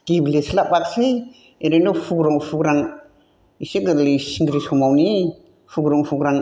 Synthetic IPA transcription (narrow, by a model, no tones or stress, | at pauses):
kibleslabak̚se | eɾenɔfʰuɡɾɔŋfʰuɡɾaŋ | iseɡɯɾlisiŋɡɾisɔmawni | fʰuɡɾɔŋfʰuɡɾaŋ